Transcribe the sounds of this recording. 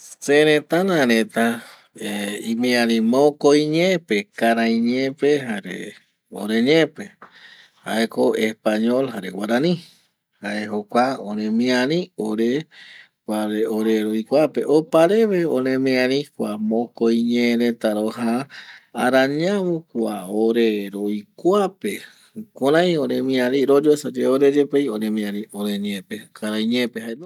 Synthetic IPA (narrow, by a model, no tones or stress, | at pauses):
seɾẽt̪anãɾẽt̪a | eimĩãɾĩmõkojɲẽpekaɾãjɲẽpeɦaɾḛ | o̰ɾeɲẽpe | ha̰ekoespaɲolhaɾewaɾanĩ | haeɦokʷaõɾẽmĩãɾĩoɾe | aɾeoɾeɾojkʷape̞ʔopaɾeβeõɾẽmĩãɾĩkʷamõkojɲeɾet̪aɾohaaɾãɲãβokwaoɾeɾojkʷape | koɾãj̃õɾẽmĩãɾĩɾod͡ʒoesad͡ʒeoɾed͡ʒepejoɾẽmĩãɾĩoɾẽɲẽpekʰaɾajɲẽpeɦaen